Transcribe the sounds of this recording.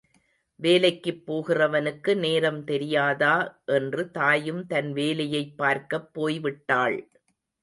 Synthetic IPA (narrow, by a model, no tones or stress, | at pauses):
ʋeːlɐɪkːɯpːoːɣɪrɐʋɐnɯkːɯneːɾɐmt̪ɛɾɪjaːðaːʔɛndrɯt̪aːjɯmt̪ɐnʋeːlɐjɐɪpːaːɾkɐpːoːjʋɪʈːaːɭ